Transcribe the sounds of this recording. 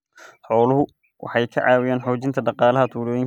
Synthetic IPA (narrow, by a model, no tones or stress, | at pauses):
ħɔːlʊɦʊ | wʔɑ̰ħɑjkʰɐ̰ʕɑːwɪjaːnħɔːt͡ʃɪnt̪ʰɐɖɑqɑːlɐɦɐt̪ʰuːɾɔːjɪŋ